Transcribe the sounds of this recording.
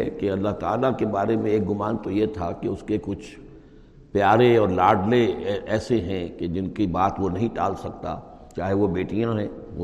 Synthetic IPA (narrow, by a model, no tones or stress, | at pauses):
ɛkeɐlːaɦt̪aːlakebaːɾemẽeːk̚ɡʊmãːnt̪ojet̪ʰakeʊskekʊt͡ʃʰ | pjaːɾeɔːɾlaːɖleɛːseɦɛ̃ked͡ʒɪnkibaːt̪ʋonɐɦĩʈa̰ːlsɐk̚t̪a̰ː | t͡ʃaːɦeʋobeːʈijãɦɛ̃ʊ